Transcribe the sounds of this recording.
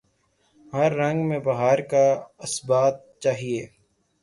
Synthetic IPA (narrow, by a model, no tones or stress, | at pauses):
ɦəɾːɐ̃ŋɡmẽbɐɦaːɾkaɐsbaːt̪̚t͡ʃaːɦieː